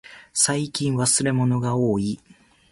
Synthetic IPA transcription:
saikʲĩɰ̃βasɨɾe̞mo̞no̞ɡao̞ːi

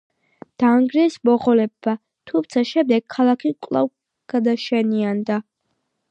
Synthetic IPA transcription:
d̪̥aŋɡɾɛsmɔʁɔlɛbːa | t̪ʰumt̪sʰaʃɛmd̪ɛɡ̥̚kʰːalˠakʰikʼlˠa̰v | ɡ̥ad̪aʃɛniand̪a

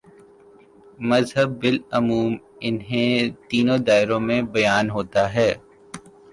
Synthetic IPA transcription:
mɐzɦəbːɪlɐmuːm | ɪnɦẽt̪iːnõd̪aːɪɾõmẽbɐjaːnɦoːt̪aɦɛː

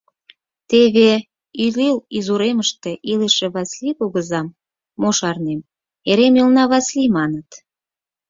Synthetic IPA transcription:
t̪eβe | ililizuɾeməʃt̪e̽ʔileʃĕβɑsliβoɣəzɑmː | oʃɑrnem | eɾemilnɑβɑslimɑnət̪

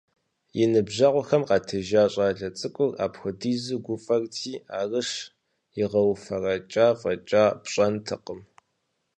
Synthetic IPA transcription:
jɪnɨbʑɐʁʷʊxɐmqɑːtʰɨʒaːɕʼaːɮɐt͡sʼɨkʷʼʊra̰ːpxʷʊdiːzɨɡʷʊfʼɐrtʰiːa̰ːrɨʂ | jɪʁɐwfɐrɐt͡ʃʼaːfʼɐt͡ʃʼaːpɕʼɐntʰɨqəm

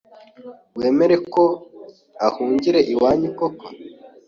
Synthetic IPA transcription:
weːme̞ɾe̞ko̞ | ahuːɲɟiɾe̞ʔiwaːɲukoka

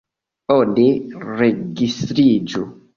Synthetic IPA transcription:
ondeɾeɡistɾid͡ʒo

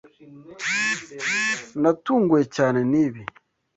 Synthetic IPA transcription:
natuːŋɡwecaːneniːβi

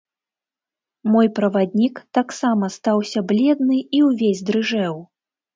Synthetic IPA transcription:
mɔjpɾɐvad̪ʲnʲikt̪aksamɐst̪awsʲɐblʲɛd̪̚nɨiwvʲezʲd̪ɾɨʐɛw

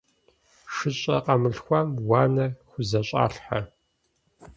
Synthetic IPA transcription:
ʂɨɕʼɐ̰qɐmɨɬxʷɐmwaːnɐxʷʊzɐɕʼa̰ːɬħa

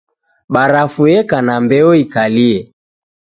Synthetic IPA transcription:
ɓaɾafuɛkanambɛɔikaliɛ

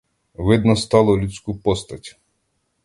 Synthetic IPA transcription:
ʋɪd̪nɔst̪ɑlˠɔlʲut͡sʲkupɔst̪ɐtʲu̥

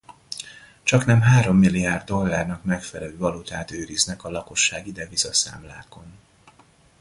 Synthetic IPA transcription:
t͡ʃɒknɛmɦaːɾo̞mːilːiaːrd̪do̞lːaːrnɒkmɛkfɛlɛløːvɒlut̪aːt̪øːɾiznɛkɒlɒko̞ʃːaːɡid̪ɛvizɒsa̰ːmlaːko̞n

